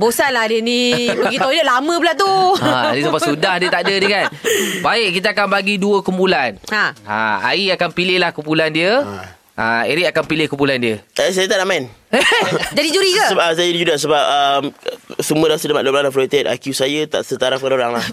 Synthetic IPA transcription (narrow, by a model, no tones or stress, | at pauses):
bosanlahdiənĩbəɡit̪oidəʔlamə̃bəlat̪unĩsapasudahdiət̪aʔdənikanbaɪʔkit̪aakanbaɡiduəkumpulanaa̰a̰iakanpilɪhlahkumpulandiə | ʔa̰eɾiʔakanpilɪhkumpulandiəəsajət̪aʔnaʔmain | d͡ʒadid͡ʒuɾikaəsajədid͡ʒudasəbap̚əmsəmũədahsədəmaʔloblanafloit̪et̪̚a̰kusajət̪a̰ʔsət̪aɾaf̚kanoɾaŋlah